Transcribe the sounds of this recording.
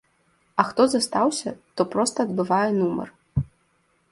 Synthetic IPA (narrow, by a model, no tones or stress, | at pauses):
ɐxt̪ɔzɐst̪awsʲɐ̰t̪ɔpɾɔst̪ɐːd̪bɨvajɛnumɐ̰r